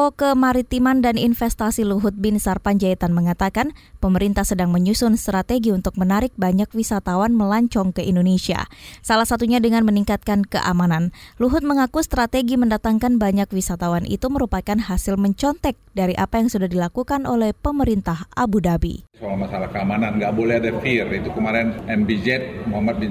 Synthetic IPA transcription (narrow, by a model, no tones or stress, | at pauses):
okəmaɾit̪imandaninfɛst̪asiluɦʊt̪̚bɪnsarpaɲd͡ʒait̪anməŋat̪akanpəməɾint̪ahsədaŋməɲusʊnst̪ɾat̪eɡiunt̪ʊk̚mənaɾɪk̚baɲak̚wisat̪awanməlaɲt͡ʃɔŋkəindonesia̰salahsat̪uɲadəŋanməniŋkat̪̚kankəʔamananluɦʊt̪̚məŋakust̪ɾat̪eɡiməndat̪aŋkanbaɲakwisat̪awanʔḭt̪uməɾupakanɦasɪlməɲt͡ʃɔnt̪ɛk̚daɾiʔapajaŋsudahdilakukanolɛhpəməɾint̪ahʔabudabḭsalamasalahkəamananŋɡaʔbolɛhadafirit̪ukəmaɾɛnɛmbid͡ʒɛt̪̚moamat̪̚bi